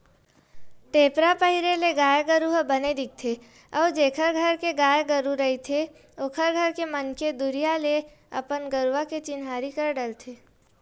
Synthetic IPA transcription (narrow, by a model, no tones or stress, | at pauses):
ʈ̪eːpɾapəɦɪɾeleɡaːjɡəɾuɦbəned̪ɪk̚t̪ʰe | ɔːd͡ʒeːkʰəɾɡʱəɾkeɡaːjɡəɾuɾəɦit̪ʰe | oːkʰəɾɡʱəɾkemənked̪ʊɾijale | ɐ̰pənɡəɾwaket͡ʃɪnɦaːɾikəɾɖəlt̪ʰeː